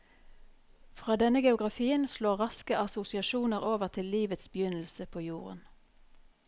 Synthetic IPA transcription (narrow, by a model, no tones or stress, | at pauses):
fʁɑːd̪ɛnəɡɛʊɡʁɑfiːənsloːʁɑskəʔɑsʊsɪɑʃuːnəʁoːʋəʁt̪ʰɪlliːʋət̪sbjʏnl̩səpʰoːjuːʁə̰n